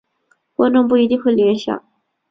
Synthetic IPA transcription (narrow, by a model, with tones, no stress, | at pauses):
kwa˥nʈ͡ʂʊ˥˧ŋp̬u˥˩i˧˥t̪i˥˧ŋxwe˥˩ɪljɛ˧˥nɕjɑ̰˨˩˦